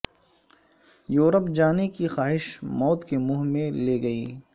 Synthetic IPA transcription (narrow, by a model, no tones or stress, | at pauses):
joːɾəpd͡ʒaːnekixaːɦɪʃmɔːt̪kemʊɦmẽleːɡɐiː